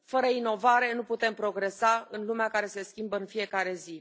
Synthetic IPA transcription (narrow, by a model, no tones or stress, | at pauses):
fəɾəino̞vaɾe̞nuput̪e̞mpɾo̞ɡɾe̞saɨnlumeakaɾe̞se̞skʲimbəɨnfije̞kaɾe̞zi